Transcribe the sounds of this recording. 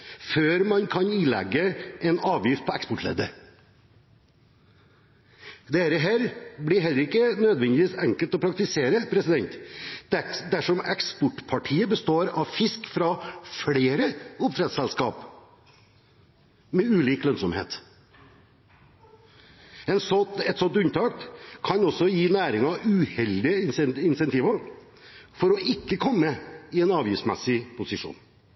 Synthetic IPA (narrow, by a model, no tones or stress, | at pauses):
føːɾmɑnkʰɑniːlɛ̰ɡːəʔɛnɑːʋjɪft̪̚pʰɔɛkspʊʈlḛːd̪ə | d̪ɛɾəɦæːɾblɪɦɛlːəɾɪkːənød̪ʋɛnd̪ɪʋiːsɛŋkəlt̪ɔpʰɾɑkt̪ɪseːɾəpʰɾɛsɪd̪ɛnt̪ | d̪æʂɔmɛkspʊʈpʰɑʈʰiːəbəst̪oːɾɑʋfɪskfɾɑfɽeːɾəʊp̚t̪ʰɾɛt̪sɛlskɑːp | mɛʉːliːklœnsɔmhḛːt̪ | ɛnsɔt̪ɛt̪sɔnt̪ʉnt̪ʰɑːkt̪kʰɑnɔsːɔjiːnæːɾɪŋɑʉhɛld̪ɪəɪnsɛnt̪iːʋɑɾ | fɔɾɔʔɪkːəkʰɔmːəɪɛnɑːʋjɪfsmɛsɪpʰʊsɪʂṵːn